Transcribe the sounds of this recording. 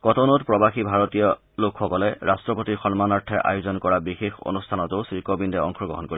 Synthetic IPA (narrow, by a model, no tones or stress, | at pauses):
kɔtɔnɔtpɹɔbaxibʱaɹɔtijɔ | lokxɔkɔlɛɹastɹɔpotiɹxɔnmanaɹtʰːɛʔa̰jʊzɔnkɔɹabixexo̰nustʰanɔtʊsɹikɔbindɛɔ̰ŋxʰɔɡɔ̰ɦɔnkoɹi